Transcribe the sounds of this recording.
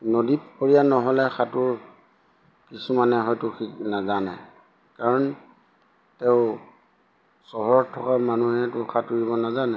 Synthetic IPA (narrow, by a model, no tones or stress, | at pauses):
nodipkoɹijanɔɦɔlɛxʰatʊɹ | kisumanɛɦɔjtʊxiknazanɛ̰ | kaɹɔn | teʊ | sɔɦɔɹtʰɔkamanuɦɛtʊxʰatuɹibɔnazanɛ